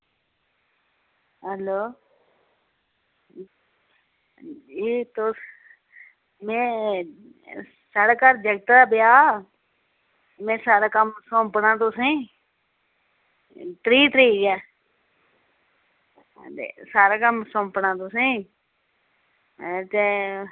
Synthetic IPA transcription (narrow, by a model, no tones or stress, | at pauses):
ɦəloː | d͡ʒiːt̪o | mɛ̃ː | saːɽaːkaɾd͡ʒəɡət̪d̪aːbɪjaː | mɛ̃ːsaːɾaːkəmsõːmpnaːt̪ʊsẽː | t̪ɾiːt̪ɾiːɡɛː | t̪ḛsaːɾaːkəmsõːmpnaːt̪ʊsẽː | t̪eː